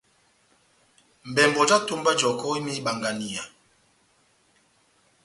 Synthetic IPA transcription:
m̩˨bɛ˨mbɔ˨d͡ʒa˦to˦mba˦d͡ʒɔ˨kɔ˦i˦mi˦ɓa˨ŋɡa˨ni˨a˨

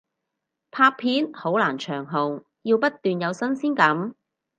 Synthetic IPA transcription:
pʰaː˧k̚pʰiː˨˥nho˨˥wlaː˨˩nt͡ʃʰœː˨˩ŋɦo˨ŋ | jiː˧wpɐ˥t̪̚ːyː˨njɐ˨˧wsɐ˥nsiː˥nkɐ˨˥m

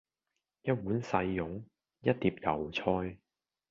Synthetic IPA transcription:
jɐ˥t̚wuː˨˥nsɐ˧jːʊ˨˥ŋ | jɐ˥t̚t̪iː˧p̚jɐ˨˩wt͡sʰɔː˧j

